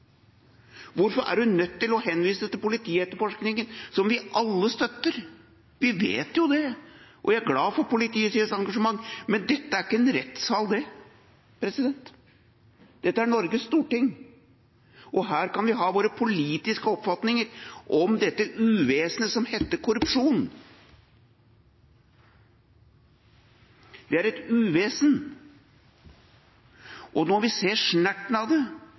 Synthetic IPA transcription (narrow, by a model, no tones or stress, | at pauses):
ʋʊɾfɔɾæ̰ɖʉnœt̪ːɪlɔɦɛnːʋiːsət̪ʰɪlpʊlɪt̪ʰiːɛt̪ːəɾfɔʂknɪŋənsɔmʋɪʔɑlːəst̪œt̪ːəɾ | ʋɪʋḛːt̪jʊd̪ɛʔɔʋææɾɡlɑːfɔɾpʊlɪt̪iːəsiəsɑŋɡɑʂəmɑŋːmɛnd̪ɛt̪ːəæɾɪkːəɛnɾɛt̪sɑːld̪ɛ | pʰɾɛsɪd̪ɛnt̪ | d̪̥ɛt̪ːəæɳɔɾɡəsst̪uːʈɪŋː | ʔɔɦæːɾkɑnʋɪɦɑːʋoːɾəpʰʊliːt̪ɪskəɔpfɑt̪nɪŋəɾʔɔmd̪ɛt̪ːəʔʉːʋeːsnəsɔmhɛt̪ːəkʰʊɾʉpʂuːn | d̪ɛæɾɛt̪ʉːʋeːsən | ʔɔnɔːʋɪseːʂnæʈːn̩ɑʋd̪ɛ